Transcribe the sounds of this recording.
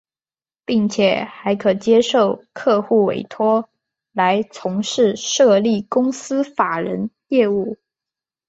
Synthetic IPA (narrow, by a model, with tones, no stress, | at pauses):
pi˥˩ŋt͡ɕʰjɛ˨˩˦xa˧˥ɪkʰɤ˨˩t͡ɕjɛ˥ʂo˥˩ʊkʰɤ˥˧xu˥˩wḛ˨˩ɪt̪ʰwɔ˥ | la˧˥ɪt͡sʰʊ˧˥ŋʂɻ̩˥˧ʂɤ˥˧li˥˩kʊ˥ŋsɹ̩˥fa˨˩ɻə˧˥njɛ˥˧u˥˩